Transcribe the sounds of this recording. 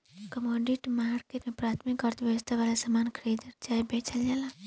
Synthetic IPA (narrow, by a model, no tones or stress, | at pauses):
kəmɔ̃ːɖiʈmaːɾkeʈmẽpɾaːt̪ʰmikəɾt̪ʰʋjɐʋəst̪ʰaʋaːlasamaːnkʰəɾiːd̪d͡ʒaːibet͡ʃəld͡ʒaːlaː